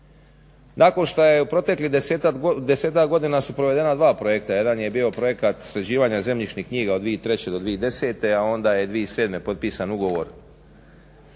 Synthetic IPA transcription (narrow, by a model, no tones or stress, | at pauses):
nako̞nʃt̪ojeupɾo̞t̪e̞klid̪eset̪ad̪eseːt̪akɡo̞d̪inasupɾoʋe̞d̪e̞nad̪ʋaːpɾo̞jekt̪aje̞d̪anje̞biːo̞pɾo̞je̞kat̪sɾed͡ʑiːʋaːɲaze̞mʎit͡ʃnikɲiːɡaod̪ʋiet̪ɾe̞t͡ɕe̞d̪od̪ʋied̪e̞se̞ːt̪e̞ao̞nd̪aje̞d̪ʋiese̞ːd̪me̞po̞t̪̚piːsanuɡo̞ʋo̞̰ɾ